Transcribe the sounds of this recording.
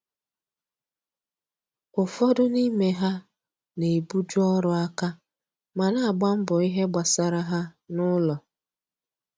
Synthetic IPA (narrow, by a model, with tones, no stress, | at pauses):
ʊ˨fɔ˦dʊ˦ni˦me˦ɦa˦ | ne˨bu˦d͡ʒʊ˦ɔ˦ɾʊ˦a˦ka˦ | ma˨na˦˨ɡ͡ba˦m̩˦bʊ˨i˦ɦe˦ɡ͡ba˨sa˨ɾa˦ɦa˦nʊ˦lɔ˨